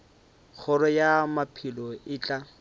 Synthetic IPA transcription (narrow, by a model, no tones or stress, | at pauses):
k͡xʰʊɾɔjamapʰilɔɪːt͡ɬʼa